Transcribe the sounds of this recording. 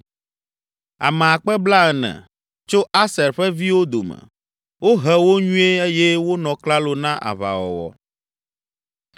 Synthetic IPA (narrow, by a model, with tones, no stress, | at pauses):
a̰˨mɛ˨a˨k͡pɛ˦bla˦ɛ˨nɛ̰̃˨ | t͡ʃo˦ʔa˦sɛ˨ɾɸɛ˦vi˦wo˦d̪o˨mɛ̰̃˨ | wo˦ɦɛ˦wo˦ɲũ˦e˦e˦jɛ˦wo˦nɔ̃˨kla˦lo˨nã˦ʔa̰˨va̰˨wɔ̰˨wɔ̰˨